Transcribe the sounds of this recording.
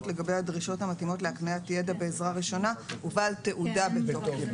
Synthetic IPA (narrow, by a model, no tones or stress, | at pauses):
tle̞ɡabejhadʁiʃo̞thamatimo̞tleaknajatjedabe̞ːzʁaʁiʃo̞nauvaːlte̞ʔudabetoka